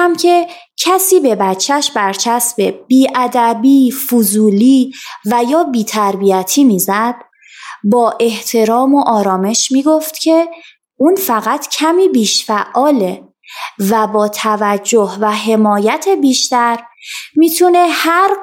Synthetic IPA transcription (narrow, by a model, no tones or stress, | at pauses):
æmkʰe̞cʰæsiːbe̞bæt͡ʃʰːæʃbæɾt͡ʃʰæsbeb̥iːʔæd̪æbiːfuzuːliːvæjɒːbiːt̪ʰæɾbijæt̪ʰiːmiːzæd̪̥ | bɒːʔe̞ht̪ʰe̞ɾɒːmoʔɒːɾɒːme̞ʃmiːɡoft̪cʰe̞ | ʔuːnfæɣæt̪ʰcʰæmiːbiːʃfæʔʔɒːle | væbɒːt̪ʰævæd͡ʒːohvæɦe̞mɒːjæt̪ʰebiːʃt̪æɾmiːt̪ʰunehæɾ